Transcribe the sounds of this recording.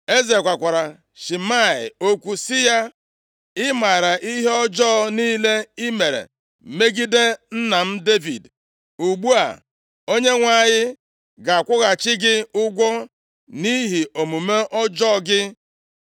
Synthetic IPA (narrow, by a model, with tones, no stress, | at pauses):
e˦ze˨kʷa˨kʷa˨ɾa˨ | ʃi˨ma˦˨ɪ̰˨o˦kʷu˦sɪ˦ja˦ | ɪ˦ma˨ɾa˨ʔi˦ɦe˦ɔ˦d͡ʒɔ˦niː˦le˦i˦me˨ɾḛ˨ | me˦ɡi˦de˦n̩˦na˨m̩˦de˦vḭ˨d | u˨ɡ͡bu˦a̰˨ | o˦ɲe˦ŋʷa˦˨ɲɪ˦ | ɡa˨a˨kʷʊ˦ɣa˨t͡ʃɪ˦ɡɪ˦ʊ˦ɡʷɔ˦ | ni˦ɦi˨o˨mu˨me˦ʔɔ˦d͡ʒɔ˦ɡɪ˦